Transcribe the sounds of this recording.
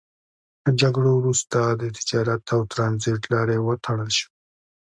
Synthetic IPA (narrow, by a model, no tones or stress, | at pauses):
ləd͡ʒaɡɽowɾust̪ad̪ət̪ʰɪ̥d͡ʒɑɾat̪ʰawt̪ɾɑnziʈlɑɾewət̪ʰaɽəlʃi̥